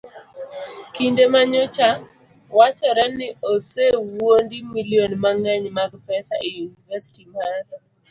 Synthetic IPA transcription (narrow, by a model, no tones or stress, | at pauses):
kindemaɲot͡ʃa | wat͡ʃɔɾɛnɪosewondimiljonmaŋɛɲmaɡpɛsaiunivɛsi̥timaɾ